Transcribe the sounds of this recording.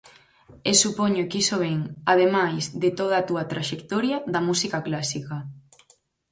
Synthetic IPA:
esupoɲokisoβeŋað̞emajzd̪et̪oð̞aːt̪uɐat̪ɾaʃekt̪oɾjɐðɐmusikaklasika

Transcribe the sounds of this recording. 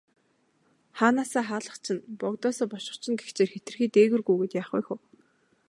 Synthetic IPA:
χaːnaːsaːχaːɮə̆χt͡ɕʰɪ̆npɔkt̪ɔːsɔːpɔʃɪ̆χt͡ɕʰɪ̆nɡext͡ɕeːrxet̪ɘ̆rxiːt̪eːɣɘ̆rɣujɣɘ̆t̪jaːχṵjxuː

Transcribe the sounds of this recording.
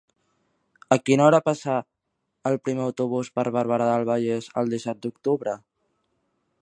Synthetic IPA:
əkinɔɾəpasa | əlˠpɾimeəwt̪uβ̞uspəɾβəɾβəɾaðalˠβ̞əʎezə̰lˠd̪isɛt̪̚d̪uk̚t̪uβɾə

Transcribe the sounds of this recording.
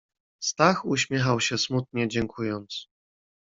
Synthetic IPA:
st̪axuɕmʲjɛxawɕɛsmut̪̚ɲɛd͡ʑɛŋkʰujɔnt̪s

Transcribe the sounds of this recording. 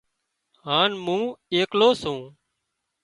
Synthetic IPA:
ɦaːnmũːeːkloːsũː

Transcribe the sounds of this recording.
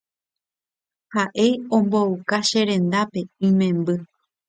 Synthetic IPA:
haʔe̞jõ̞mboukaʃe̞ɾẽ̞nd̪ape̞ĩmẽ̞mbɨ

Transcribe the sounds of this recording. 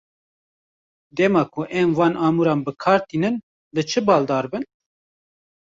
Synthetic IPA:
d̪ɛmɑːkʰʊʔɛmvɑːnʔɑːmuɾɑːnbɨkʰɑːɾt̪iːnɨn | lɨt͡ʃʰɨbɑːld̪ɑːɾbɨn

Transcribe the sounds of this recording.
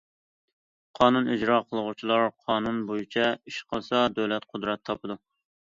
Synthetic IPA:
qʰɑːnunid͡ʒɾɑqʰəlˠəʁʊt͡ʃʰilˠɑɾqʰɑːnunbojit͡ʃʰɛiʃqʰəsɑd̪øwlɛt̪qʰʊd̪ɾɛt̪ʰːɑpʰɨd̪u

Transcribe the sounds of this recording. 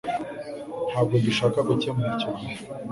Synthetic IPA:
n̥haːb̚ɡodiʃaːkakucemuɾicoɡihe

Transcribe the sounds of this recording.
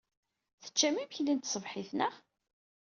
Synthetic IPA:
θə̥t͡ʃːæmiməçlint̪sˤəvħiθnəʁ

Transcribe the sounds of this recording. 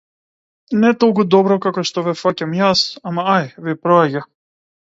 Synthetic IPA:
nɛt̪ɔlˠkud̪ɔbɾɔkakɔʃt̪ɔvɛfacamjasamaajvipɾɔaɟa

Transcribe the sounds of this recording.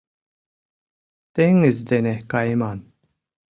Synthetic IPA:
t̪eŋizd̪enekajman

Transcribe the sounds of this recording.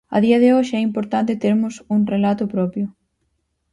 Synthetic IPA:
ɐ̰ðiɐðɪoʃɪɛimpoɾt̪ant̪ɪt̪eɾmʊsuŋrelat̪ʊpɾɔpjʊ

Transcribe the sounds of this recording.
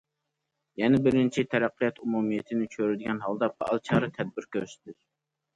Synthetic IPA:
jɛnɛbɪɾɪnt͡ʃʰit̪ʰɛɾæqːijɑt̪ʰumumijet̪ʰɪnɪt͡ʃʰøɾyd̪ɪɡʲɛnɦɑlˠd̪ɑpʰɑ̰ʔɑ̰lˠt͡ʃʰɑːɾɨt̪ʰɛd̪̚bɪɾkʲʰøɾst̪ɪ

